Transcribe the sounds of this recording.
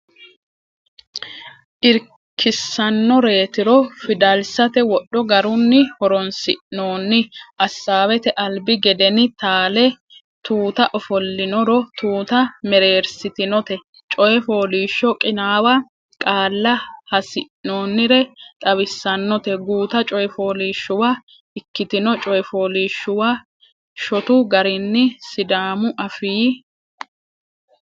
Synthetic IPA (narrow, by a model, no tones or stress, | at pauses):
ʔɪɾ | kʰːɪsːɐnːɔɾe̞ːt̪ɪɾɔfɪd̪ɐlsɐt̪ɛwɔɗːɔɡɐɾʊnːɪhɔɾɔnsɪ̰ʔno̞ːnːɪʔɐsːaːwɛt̪ɛʔɐlbɪɡɛd̪ɛnɪt̪aːlɛ | t̪uːt̪ɐʔɔfɔlːɪnɔɾɔt̪uːt̪ɐmɛɾe̞ːɾsɪt̪ɪnɔt̪ɛ | t͡ʃʼɔjɛfo̞ːliːʃːɔkʼɪnaːwɐ | kʼaːlːɐhɐsɪʔnoːnːɪɾɛt̪ʼɐβɪsːɐnːɔt̪ɛɡuːt̪ɐt͡ʃʼɔjɛfoːliːʃːʊwaː | ɪkːɪt̪ɪnɔt͡ʃʼɔjɛfoːliːʃːʊwaː | ʃɔt̪ʊɡɐɾɪnːɪsɪd̪aːmʊʔɐfiː